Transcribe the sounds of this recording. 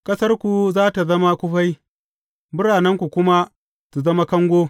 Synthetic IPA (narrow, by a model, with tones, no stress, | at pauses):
kʼɐ˦sɐ˦rkʷu˨zaː˦ta˨zɐ˦ma˦kʷʊ˦ɸa˦j | bʊ˦ɽaː˨nɐ˦ŋkʷu˨kʷʊ˦ma˦ | tu˨zɐ˦ma˦kɐ˦ŋɡʷoː˦